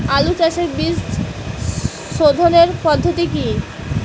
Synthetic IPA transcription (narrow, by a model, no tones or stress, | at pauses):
alut͡ɕaʃeɾbist | ʃod̪ʱoneɾpɔd̪ʱːot̪iki